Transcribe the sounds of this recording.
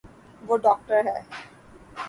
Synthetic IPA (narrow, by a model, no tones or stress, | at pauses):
ʋoɖɔk̚ʈəɾɦɛ